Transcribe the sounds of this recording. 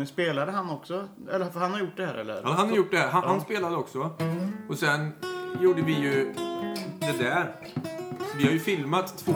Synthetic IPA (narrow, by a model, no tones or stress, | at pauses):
speːlad̪əɦanːɔksɔɛ̰lːəfɾhanhaɾjʊʈ̚ːd̪ɛhæ̰ːɾɛ̰lːə̰ɾɦanhaɾɾjʊʈ̚ːd̪ɛhæːɾɦanhanspeːlad̪əɔksɔɔsɛnjuːɖəvɪjɵ | d̪ɛd̪æɾ | sɔvɪhaɾjɵfɪlmat̪ʰːvoː